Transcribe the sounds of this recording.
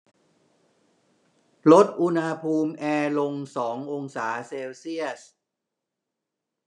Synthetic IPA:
lo˦˥t̪̚ʔu˧nha˧pʰuː˧mʔɛː˧lo˧ŋsɔː˩˦ŋʔo˧ŋsaː˩˦seː˧wsi˥˩əs̚

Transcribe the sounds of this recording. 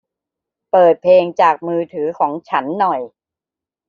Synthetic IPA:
pɤː˨˩t̪̚pʰeː˧ŋt͡ɕaː˨˩k̚mɯː˧t̪ʰɯː˩˦kʰɔː˩˦ŋt͡ɕʰa˦˥nːɔ˨˩j

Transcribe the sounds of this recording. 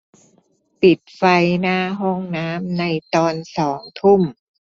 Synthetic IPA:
pi˨˩t̪̚fa˧jnaː˥˩ɦo˥˩ŋnaː˦˥mna˧jt̪ɔː˧nsɔː˩˦ŋt̪ʰu˥˩m

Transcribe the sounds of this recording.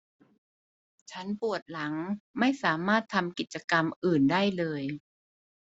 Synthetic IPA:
t͡ɕʰa˦˥npu˨˩ət̪̚la˩˦ŋma˥˩jsaː˩˦maː˥˩t̪ʰːa˧mki˨˩t̪̚t͡ɕa˧ka˧mʔɯː˨˩ndaː˥˩jlɤː˧j

